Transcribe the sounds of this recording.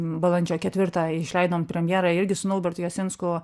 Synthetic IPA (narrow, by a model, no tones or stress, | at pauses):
bɐlˠɐnʲd͡ʒʲoːkʲɛt̪ʋʲɪɾt̪ɑɪʃʲlʲɛɪd̪oːmpʲɾʲɛmʲjɛːɾɑɪɾʲɡʲɪsʊnʊlˠbʲɛrt̪ʊjosʲɪnskʊ